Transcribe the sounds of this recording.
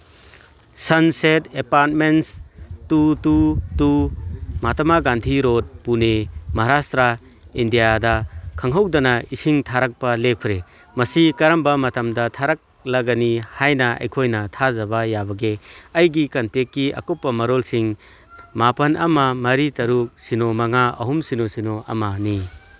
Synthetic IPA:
sɐnsetepaɾt̚menstututumatɐmaɡantʰiɾod̚punemɐɦaɾastɾa | indijadɐkʰɐŋɦɐwdɐnɐisiŋtʰaɾak̚pɐlek̚pʰɾe | mɐsikɐɾɐmbɐmɐtɐmdɐtʰaɾak̚lɐɡɐnihajnɐɐ̰jkʰojnɐtʰazɐbajabɐɡeɐjɡikɐntekːiɐ̰kɔpːɐmɐɾolsiŋ | mapɐnɐmɐmɐɾitɐɾuk̚sinomɐŋaɐ̰ɦumsinosinoʔɐ̰mani

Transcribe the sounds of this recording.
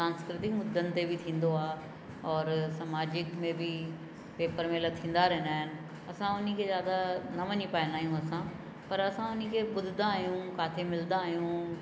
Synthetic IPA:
saːnskɾɪt̪ɪkmʊd̪ʱːənt̪ebʱɪt̪ʰĩːn̆d̪oaː | ɔːɾsamaːd͡ʑɪkmẽbʱɪ | peːpəɾmelət̪ʰĩːn̆d̪aɾɐɦɪnaːɦɪnɪ̆ | ɐsãʊnkʰezjaːd̪anɐʋɐɲipaːɪnaːɦijũɐsã | pɐɾɐsãʊnikʰebʊd̪ʱɪd̪aːɦijũkaːt̪ʰemɪld̪aːɦijũ

